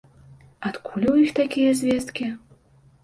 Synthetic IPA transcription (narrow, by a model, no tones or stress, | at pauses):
at̪kʰulʲwjixt̪akʲijɛzʲvʲɛst̪kʲi